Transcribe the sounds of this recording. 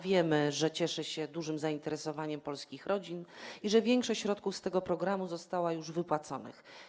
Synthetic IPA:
vʲjɛmɘʐɛt͡ɕɛʂɛɕɛd̪uʐɘmzaint̪ɛɾɛsɔvaɲɛmpɔlskʲixɾɔd͡ʑiniʐɛvʲjɛŋkʂɔɕt͡ɕɕɾɔt̪̚kufst̪ɛɡɔpɾɔɡɾamuzɔst̪awajuʐvɘpwat̪sɔnɘ̰x

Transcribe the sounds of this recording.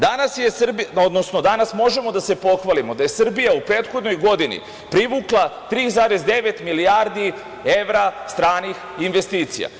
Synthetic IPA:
d̪anasje̞srbiod̪no̞sno̞d̪anasmo̞ʒe̞mo̞d̪ase̞po̞xʋalimo̞d̪aje̞sr̩bijaupɾeːt̪xod̪no̞jɡo̞d̪inḭ | pɾiʋuːklˠat̪ɾiːzaːɾezd̪e̞ʋe̞t̪milijaːɾd̪i | e̞ʋɾast̪ɾaːnix | inʋest̪iːt̪sija̰

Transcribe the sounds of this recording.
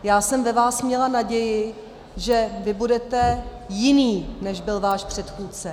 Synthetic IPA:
jaːsɛmvɛvaːsmɲɛlanaɟɛjɪ | ʒɛvɪbudɛt̪ɛ | jɪniːnɛʒbɪlvaːʃpr̝̥ɛt̪xuːt͡sɛ

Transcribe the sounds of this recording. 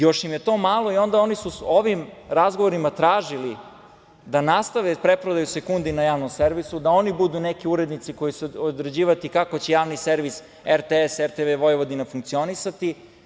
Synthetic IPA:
jo̞ʃimjet̪o̞ːmaːlˠo̞io̞nd̪ao̞nisuoʋimɾazɡoʋo̞ɾimat̪ɾaːʒili | d̪anast̪aʋepɾe̞pɾod̪ajuse̞kund̪inajaːʋno̞mseɾʋisud̪ao̞nibud̪unekiuɾe̞d̪nit̪siko̞jiseod̪ɾe̞d͡ʑiːʋat̪ikakot͡ɕejaːʋniseɾʋis | eɾt̪eeseɾt̪eʋeʋo̞jʋod̪inafuŋkt̪sio̞nisat̪i

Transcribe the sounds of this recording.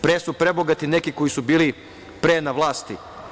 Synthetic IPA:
pɾeːsupɾe̞boɡat̪inekiko̞jisubiːli | pɾenaʋlˠaːst̪i

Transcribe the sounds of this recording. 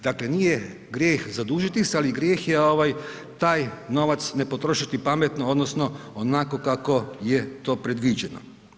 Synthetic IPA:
d̪akle̞niːje | ɡɾʲjeːxzad̪uːʒit̪isealiɡɾjeːxjeo̞ʋaj | t̪aːjno̞ʋat̪sne̞po̞t̪ɾo̞ʃit̪ipamet̪nood̪nosno̞onako̞kako̞jet̪o̞ːpɾe̞d̪ʋiːd͡ʒeno̰

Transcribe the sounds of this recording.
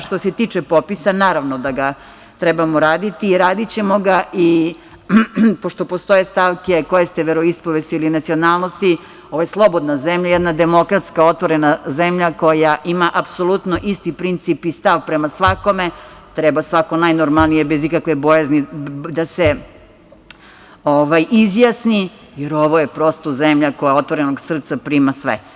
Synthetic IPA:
ʃt̪ose̞t̪iːt͡ʂepopisanaːɾaʋnod̪aɡa | t̪ɾɛbamoɾaːd̪it̪iːɾaːd̪it͡ɕe̞mo̞ɡaʔi | poʃt̪o̞po̞st̪o̞jest̪aʋkekojest̪eʋeɾoispoʋest̪iilinat̪sio̞naːlˠno̞st̪i | o̞ʋojeslˠo̞bo̞d̪nazemʎajed̪nad̪e̞mo̞kɾat̪skao̞t̪ʋo̞ɾenazemʎako̞jaʔimaʔapso̞lˠut̪noʔist̪ipɾint̪sipist̪aʋpɾemasʋako̞met̪ɾɛbasʋakonajnoɾmalnijebezikakʋebojaznid̪ase | oʋajʔizjasni | jeɾoʋojepɾo̞st̪ozemʎako̞jaot̪ʋo̞ɾenoɡsr̩t̪sapɾiːmasʋḛ

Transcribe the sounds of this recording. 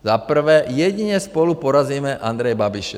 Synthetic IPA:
zapr̩ʋɛːjɛɟiɲɛspɔlupɔɾaziːmɛʔand̪ɾɛjbabiʃ

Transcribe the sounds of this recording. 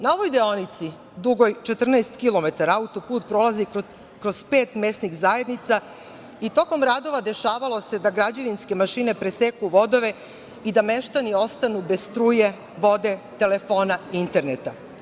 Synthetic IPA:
nao̞ʋojd̪eonit̪si | d̪uɡo̞jt͡ʃe̞t̪r̩naest̪kilˠo̞me̞t̪aɾaut̪o̞puːt̪pɾo̞lazi | kɾo̞zpe̞ːt̪me̞snixzaje̞d̪nit̪sa | it̪o̞ko̞mɾad̪o̞ʋad̪e̞ʃaːʋalo̞se̞d̪aɡɾad͡ʑeʋinske̞maʃine̞pɾesekuʋo̞d̪o̞ʋe̞ | id̪ameʃt̪anio̞st̪anube̞sst̪ɾuːje̞ | ʋo̞d̪e̞t̪e̞le̞fo̞ːnaint̪e̞ɾnet̪a

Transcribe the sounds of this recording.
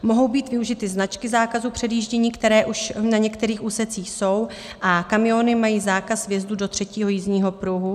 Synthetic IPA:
mo̞ɦo̞wbiːt̪vɪuʒɪt̪ɪznat͡ʃkɪzaːkazuːpr̝̥ɛdjiːʒɟɛɲiːkt̪ɛɾɛːʔuʃnaɲɛkt̪ɛɾiːxuːsɛt͡siːxso̞w | ʔakamɪjo̞nɪmajiːzaːkasvjɛzdudo̞t̪r̝̥ɛciːɦo̞jizɲiːɦo̞pɾuɦu

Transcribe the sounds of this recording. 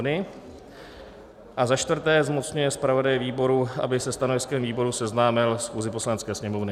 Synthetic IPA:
nɪ | ʔazaʃt̪vr̩t̪ɛːzmot͡sɲujɛspɾavo̞dajɛviːbo̞ɾuʔa̰bɪsɛst̪ano̞vɪskɛmviːbo̞ɾusɛznaːmɪlsxuːzɪpo̞slanɛt͡skɛːsɲɛmovnɪ

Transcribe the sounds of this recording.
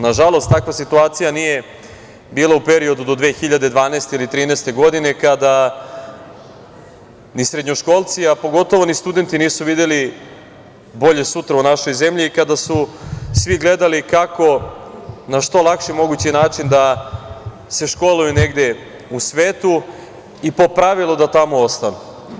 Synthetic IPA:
naʒalo̞st̪akʋasit̪uaːt̪sijanije̞ | biːlˠaupe̞ɾio̞d̪ud̪o̞d̪ʋeːxiʎad̪e̞d̪ʋaːneːst̪e̞ilit̪ɾiːnɛːst̪e̞ɡo̞d̪ine̞kad̪a | nisɾed̪ɲoʃko̞lˠt̪siapo̞ɡo̞t̪o̞ʋo̞nist̪ud̪e̞nt̪iniːsuʋid̪eli | bo̞ʎe̞sut̪ɾaunaʃo̞jzemʎiːkad̪asusʋiɡle̞d̪alikako̞ | naʃt̪o̞lˠakʃimo̞ɡut͡ɕinaːt͡ʃind̪a | se̞ʃko̞lujuneɡd̪e̞ | usʋeːt̪u | ipo̞pɾaʋilˠod̪at̪amo̞ost̪anu

